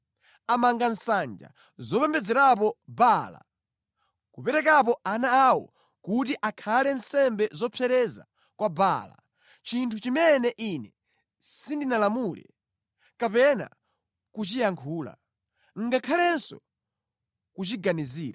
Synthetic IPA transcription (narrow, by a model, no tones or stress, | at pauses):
amaŋɡan̩sand͡ʒa̰ | zɔpɛmbɛd͡zɛɾap̬ɔbala̰ | kupɛɾɛk̬ap̬ɔʔanaːwɔ̰ | kutiʔakʰalɛnsɛmbɛzɔpʰɛɾɛza̰ | kwabala̰ | t͡ʃintʰut͡ʃimɛnɛʔinɛ | sindinalamuːlɛ̰ | kapɛna̰ | kut͡ʃijaŋkʰuːla̰ | ŋ̩ɡakʰalɛnsɔ̰ | kut͡ʃiɡaniziːɾa